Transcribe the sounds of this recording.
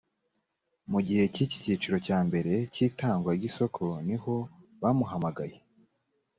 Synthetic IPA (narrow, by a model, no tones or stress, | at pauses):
muɟihe̞cici̥ciːt͡ʃuɾo̞caːmbe̞ɾe̞ciːtaːŋɡwaɾɡiso̞kʰo̞niho̞βamuɦamaɡaje